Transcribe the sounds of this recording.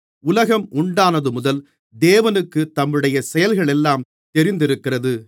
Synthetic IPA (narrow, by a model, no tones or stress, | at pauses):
ʊlɐɣɐmʊɳɖaːnɐðɯmʊðɐl | d̪eːʋɐnɯkːɯt̪ɐmːɯɽɐjɐsɛjɐlɣɐɭɛlːaːm | t̪ɛɾɪnd̪ɪɾɯkːɪrɐðɯ